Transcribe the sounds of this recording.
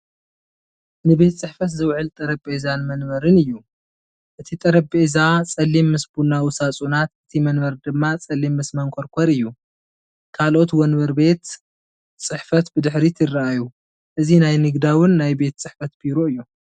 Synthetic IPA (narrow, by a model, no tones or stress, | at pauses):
nɨbe̞t̪t͡sʼɨħfɐt̪zɨwʕɨlt̪ʼɐɾɐbʼezanmɐnbɐɾɨnɨjːu | ʔɨt̪ʰit̪ʼɐɾɐbʼezat͡sʼɐlːimːɨsbunawʊsat͡sʼunat̪ʔɨt̪ʰimɐnbɐɾd̪ɨmːat͡sʼɐlːimːɨsmɐŋkʷʰoɾkʷʰɐɾɨjːu | kʰalʔo̞t̪wɔnbɐɾbe̞t̪ | t͡sʼɨħfɐt̪bɨd̪ɨħɾit̪ʰɨrːaaju | ʔɨzinajnɨɡd̪awɨnːajbe̞t̪t͡sʼɨħfɐt̪b̥iɾo̞ɨjːu